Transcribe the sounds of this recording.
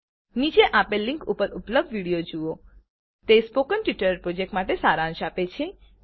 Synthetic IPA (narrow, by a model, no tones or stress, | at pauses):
nid͡ʒeʔapelːĩŋkupəɾupləb̚dʋiɽijod͡ʒuo | t̪espokənʈʋiʈəɾpɾod͡ʒek̚ʈmaʈesaɾãnʃapet͡ʃʰe